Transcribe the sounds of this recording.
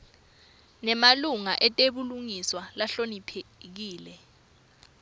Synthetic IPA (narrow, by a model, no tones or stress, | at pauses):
nɛmaluŋaʔɛtʼeɓuluŋiswalaɬonipʰek̬iːlɛ